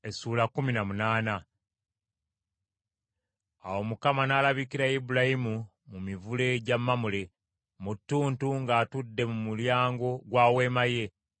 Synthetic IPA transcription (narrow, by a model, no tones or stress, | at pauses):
e̞suːlakːuminamunaːna | awo̞mukamanaːlaβikiɾajibulajimu | mumivule̞ɟamːamule̞ | mutːuːntuŋɡaːtudːe̞mumuljaːŋɡo̞ɡwaːwe̞ːmaje̞